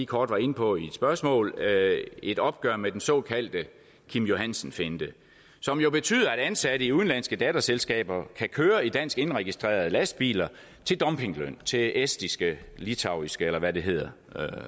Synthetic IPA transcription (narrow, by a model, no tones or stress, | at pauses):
ikʰɒːd̥ʋɑ̈e̝nəpʰɒ̽id̥sb̥ɶɐsmɔ̰̽ːl | e̝d̥ɒ̽b̥̚ɡ̥ɶɐmed̥ensɒ̽kʰæl̰d̥ə | kʰimjo̝ɦæn̰sn̩fe̝nd̥ə | sɒ̽mjo̝b̥e̝t͡sʰy̰ːðˠɐæɾ̥ænsæɾ̥əiuðˠnlæn̰sɡ̥əd̥ɛːd̥ɐselsɡ̥ɛ̰ːb̥ɐkʰækʰøːɐid̥æn̰sɡ̥e̝nʁɛɡ̥isd̥ʁḛːɐð̞̩ˠlæsd̥̚b̥ḭːlɐ | t͡sʰe̝ld̥ɒ̽mpʰe̝ŋløn̰t͡sʰe̝esd̥isɡ̥əlit͡sʰɑ̈ʊisɡ̥əelɐʋæde̝ɦe̝ð̞̰ˠɐ